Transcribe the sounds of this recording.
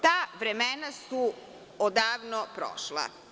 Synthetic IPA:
t̪aːʋɾemenasu | od̪aːʋnopɾo̰ʃlˠa̰

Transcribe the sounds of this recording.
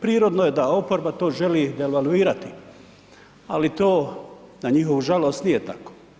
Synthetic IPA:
pɾiːɾod̪noje̞d̪ao̞po̞ɾbat̪o̞ːʒe̞liːeʋaluiːɾat̪i | alit̪oːnaɲiɦoʋuʒalo̞ːst̪nijet̪ako̥ː

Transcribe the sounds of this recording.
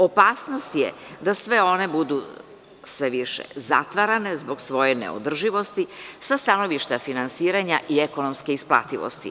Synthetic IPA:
o̞paːsno̞st̪jḛd̪asʋe̞o̞ne̞bud̪u | sʋe̞ʋiʃḛza̰t̪ʋaɾane̞zboɡsʋo̞jenḛo̰d̪r̩ʒiʋo̞st̪isast̪ano̞ʋiʃt̪afinansiːɾaɲaʔieko̞no̞mske̞isplˠa̰t̪iʋo̰st̪ḭ

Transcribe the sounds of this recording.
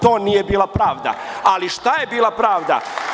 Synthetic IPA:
t̪oːnijebiːlˠapɾaːʋd̪a̰aliʃt̪ajebiːlˠapɾaːʋd̪a̰

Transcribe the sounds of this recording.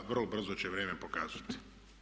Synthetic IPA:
ʋrlobr̩zot͡ɕeʋɾʲeːmepokaːz̥at̪i̥

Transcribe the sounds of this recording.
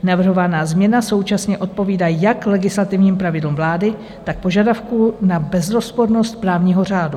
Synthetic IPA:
navr̩ɦo̞vanaːzmɲɛnaso̞wt͡ʃasɲɛʔo̞t̪̚po̞viːdaːjaklɛɡɪslat̪ɪvɲiːmpɾavɪdlumvlaːdɪ | t̪ak̚po̞ʒadafkunabɛzɾo̞spo̞ɾno̞st̪̚pɾaːvɲiːɦo̞r̝aːdu

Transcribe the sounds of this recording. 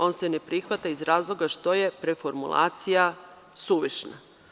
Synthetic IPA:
o̞ːnsene̞pɾixʋat̪aizɾaːzlˠo̞ɡaʃt̪o̞je̞pɾe̞fo̞ɾmṵlˠa̰ːt̪sija | suʋiʃna̰

